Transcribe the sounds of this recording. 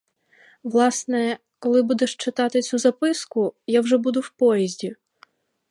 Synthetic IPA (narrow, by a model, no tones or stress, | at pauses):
ʋlˠɑsnɛ | kɔlˠɪbud̪ɛʃt͡ʃɪt̪ɑt̪ɪt͡sʲuzɐpɪskʊjawʒɛbud̪ʊwpɔjɛzʲdʲi